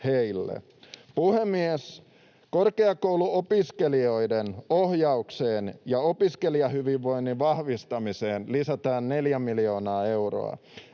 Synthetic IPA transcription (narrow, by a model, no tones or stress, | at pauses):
hejlːḛ | puhe̞mːies | ko̞rkeɑko̞wluopiskelio̞jdenohjɑukse̞ːnjɑopiske̞liɑɦyʋiʋʋo̞jnːiʋɑhʋist̪ɑmise̞ːnlisæt̪ɑːnne̞ljæmiljo̞ːnɑːe̞wro̰ɑ̰